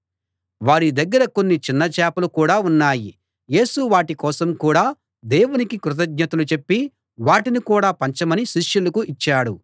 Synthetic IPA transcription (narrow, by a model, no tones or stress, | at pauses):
ʋaːɾid̪ɐɡːɐɾɐko̞nːit͡ʃinːɐt͡ʃɛːpɐlukuːɽaːunːaːji | je̞ːsuʋaːʈikɔːsɐmkuːɽaː | d̪eːwunikikɾut̪̬ɐɡɲɐt̪ulut͡ʃe̞pːi | ʋaːʈinikuːɽaːpɐɲt͡ʃɐmɐniʃiʂjulɐkuit͡ʃːaːɽu